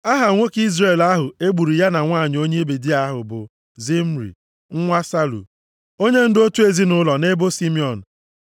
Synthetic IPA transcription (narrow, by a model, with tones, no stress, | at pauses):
a˦ɦa˨ŋʷo˦ki˦zre˦˨la˦ɦʊ˨e˦ɡ͡bu˨ɾi˨ja˦na˨ŋʷa˦˨ɲ˨o˦ɲe˦be˨di˦a˦ɦʊ˨bʊ˨ | zi˦m̩˦ɾḭ˨ | ŋ̩˦ŋʷa˦sa˦lṵ˨ | o˦ɲe˦n̩˦do˦tu˦e˨zi˦nʊ˦lɔ˨ne˦bo˦si˦mi˦ɔ˨n̩˨